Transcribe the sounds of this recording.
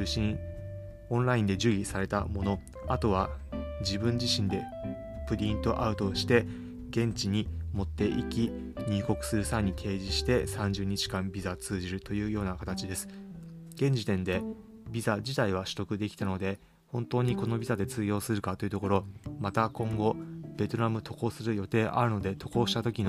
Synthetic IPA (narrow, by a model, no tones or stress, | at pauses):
ɕĩ | õ̞ñɾaĩnd̪e̞ʑɨɡʲisaɾe̞t̪a̰mo̞no̞ | at̪o̞β̞ad͡ʑibɯ̟̃ɲ̟d͡ʑiɕĩnd̪e̞ | pɯ̟ɾʲĩnt̪o̞ʔaɯ̟t̪o̞ɕi̥t̪e̞ | ɡẽ̞ɲ̟t͡ɕiɲ̟imo̞t̪ːe̞ʔikʲiɲ̟ɨːko̞kɯ̟̥sɨɾɯ̟saiɲ̟it̪ʰe̞ːʑiɕi̥t̪e̞sãɲ̟d͡ʑɨːɲ̟it͡ɕi̥kãmbʲizat͡sɨːʑiɾɯ̟t̪o̞jɯ̟ːjo̞ːnakat̪at͡ɕid̪e̞sɨ̥ɡ̥ẽ̞ɲ̟d͡ʑit̪ẽ̞nd̪e̞ | bʲizad͡ʑit̪aiβ̞aɕɨ̥t̪o̞kɯ̟d̪e̞kʲi̥t̪ano̞d̪e̞ | hõ̞nt̪o̞ːɲ̟iko̞no̞bʲizad̪e̞t͡sɨːjo̞ːsɨɾɯ̟kat̪oiɯ̟t̪o̞ko̞ɾo̞mat̪akõ̞ŋɡo̞b̥ʲe̞t̪o̞ɾamɯ̟t̪o̞ko̞ːsɨɾɯ̟jo̞t̪e̞ːʔa̰ɾɯ̟no̞d̪e̞t̪ʰo̞ko̞ːɕi̥t̪at̪o̞kʲin